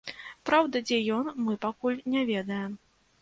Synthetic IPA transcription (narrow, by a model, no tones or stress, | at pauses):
pɾawd̪ɐd͡zʲɛjɔnmɨpakulʲnʲɛvʲɛd̪ɐjɛm